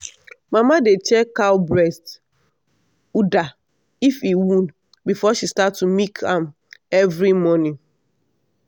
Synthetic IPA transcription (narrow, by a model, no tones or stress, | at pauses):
mamadet͡ʃɛkaʊbɾɛst | uda | ifiwũnd | bifɔʃistatːumikʰãm | ɛvɾimɔnĩ